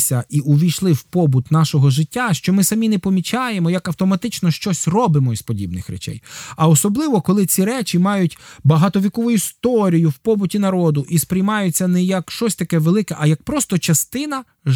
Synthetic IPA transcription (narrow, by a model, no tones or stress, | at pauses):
sʲɐiʔʊʋʲijʃlˠɪwpɔbʊt̪nɑʃɔɦɔʒɪtʲːaʃt͡ʃɔmɪsɐmʲinɛpɔmʲit͡ʃɑje̞mɔjɐkɐwt̪ɔmɐt̪ɪt͡ʃnɔʃt͡ʃɔsʲrɔbɪmɔispɔdʲibnɪxɾɛ̰t͡ʃɛ̰jɐɔsɔblˠɪʋɔkɔlˠɪt͡sʲiɾɛt͡ʃʲimɑjʊtʲbɐɦɑt̪ɔʋʲikɔʋʊjʊist̪ɔɾʲijʊwpɔbʊtʲinɐɾɔd̪ʊʔispɾʲɪjmɑjʊt͡sʲːɐnɛjɐkʃt͡ʃɔsʲt̪ɐkɛʋelˠɪkɛʔɐjɐk̚pɾɔst̪ɔt͡ʃɐst̪ɪnɐ